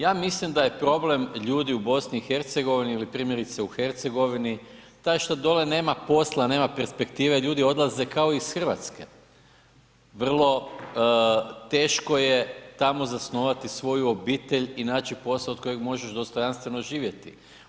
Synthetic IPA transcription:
jaːmislimd̪aje̞pɾo̞ble̞mʎuːd̪iubo̞sniːxeɾt̪seɡo̞ʋiniilipɾiːmje̞ɾit̪seuxe̞ɾt̪se̞ɡo̞ʋini | t̪ajʃt̪ad̪o̞lene̞ːmapo̞slˠane̞ːmapeɾspe̞kt̪iːʋeʎuːd̪io̞d̪lˠaze̞kaoiːsxr̩ʋa̰t̪ske | ʋr̩lˠo̞ | t̪e̞ːʃko̞jet̪amo̞zasno̞ʋat̪isʋo̞juobiːt̪e̞ʎinaːt͡ʃipo̞slˠaod̪̥̚ko̞jeɡmo̞ʒeʃd̪o̞st̪o̞janst̪ʋe̞no̞ʒiːʋje̞t̪i

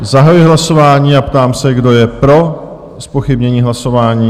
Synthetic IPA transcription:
zaɦajʊɪɦlaso̞vaːɲiːapt̪aːmsɛɡdo̞jɛpɾo̞ | spo̞xɪbɲɛɲiːɦlaso̞vaːɲiː

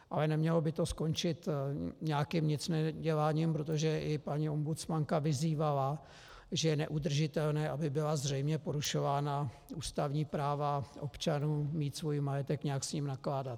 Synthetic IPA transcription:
ʔalɛnɛmɲɛlo̞bɪt̪o̞sko̞nt͡ʃɪt̪ɲɛakimɲɪt͡snɛɟɛlaːɲimpɾo̞t̪o̞ʒɛʔɪpaɲio̞mbut̪t͡smaŋkavɪziːvala | ʒɛjɛnɛʔud̪r̩ʒɪt̪ɛlnɛːʔabɪbɪlazrɛjmɲɛpo̞ɾuʃo̞vaːna | uːst̪avɲiːpɾaːvaʔo̞pt͡ʃanuːmiːt̪svo̞jimajɛt̪ɛkɲɛaksɲimnaklaːdat̪

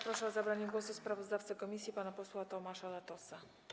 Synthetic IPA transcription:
pɾɔʂɛɔzabɾaɲɛɡwɔsuspɾavɔzd̪aft̪sakɔmʲisʲjipanapɔswat̪ɔmaʂalat̪ɔsa

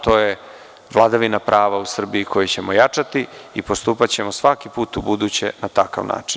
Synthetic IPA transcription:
t̪o̞ːje | ʋlˠad̪aʋinapɾʔaːʋausr̩biikʰo̞jit͡ɕe̞mo̞jat͡ʂat̪iipo̞st̪uːpat͡ɕe̞mo̞sʋakipuːt̪ubud̪ut͡ɕe̞̰nat̪aka̰ʋna̰ːt͡ʂin

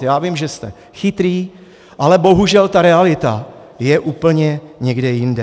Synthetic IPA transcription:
jaːvɪmʒɛst̪ɛ | xɪt̪ɾiː | ʔalɛbo̞ɦuʒɛlt̪aɾɛalɪt̪a | jɛʔuːpl̩ɲɛɲɛɡdɛjɪndɛ

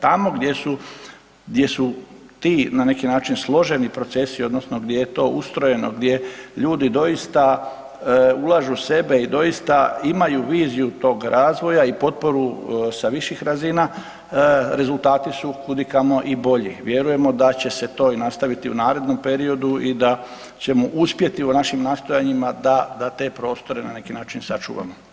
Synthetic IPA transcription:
t̪amo̞ɡd̪je̞su | d̪je̞sut̪iːnane̞kinaːt͡ʃinslˠo̞ʒe̞nipɾo̞t̪se̞sio̞d̪nosno̞ɡd̪jejet̪o̞ːʔust̪ɾo̞je̞noɡd̪ʲje̞ʎuːd̪id̪o̞ist̪a | ulˠaʒuse̞be̞id̪o̞ist̪aimajuʋiːzijut̪o̞ːɡɾʔaːzʋo̞jaipo̞t̪̚po̞ɾusaʋiʃixɾazina | ɾe̞zulˠt̪aːt̪isukud̪ikamo̞ʔibo̞ʎiʋje̞ɾuje̞mo̞d̪at͡ɕe̞se̞t̪o̞ːinast̪aʋit̪iunaːɾe̞d̪no̞mpe̞ɾio̞d̪uid̪a | t͡ɕe̞moʔuspje̞t̪iunaʃimnaːst̪o̞jaɲimad̪ad̪at̪e̞pɾo̞ːst̪o̞ɾe̞nane̞kinaːt͡ʃinsat͡ʃṵːʋa̰mo

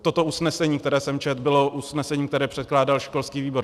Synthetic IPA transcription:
t̪o̞t̪oʔusnɛsɛɲiːkt̪ɛɾɛːsɛmt͡ʃɛt̪bɪlo̞ʔusnɛsɛɲiːkt̪ɛɾɛːpr̥ɛt̪̚klaːdalʃko̞lskiːviːbo̞ɾ

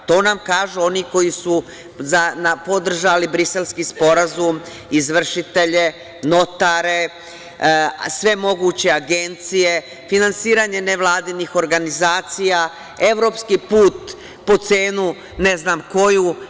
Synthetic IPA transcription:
t̪o̞ːnamkaːʒuo̞niko̞jisu | zanapo̞d̪r̩ʒalibɾise̞lskispo̞ɾazum | izʋr̩ʃit̪e̞ʎe̞ | no̞t̪aɾe̞ | sʋe̞mo̞ɡut͡ɕe̞aɡe̞nt̪sije̞ | finansiːɾaɲe̞neʋlˠaːd̪inixo̞ɾɡanizaːt̪sija | e̞ʋɾo̞ːpskipuːt̪ | po̞t̪seːnu | ne̞znaːmko̞ju

